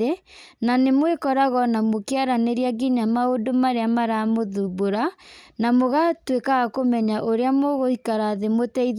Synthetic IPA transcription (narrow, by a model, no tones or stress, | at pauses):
enanemwekɔɾaɣɔnamokeaɾaneɾiaɡiɲamaodomaɾeamaɾamoðuboɾanamoɣatwekaɣakomɛɲaʔoɾeamɔɣohikaɾaðemotɛi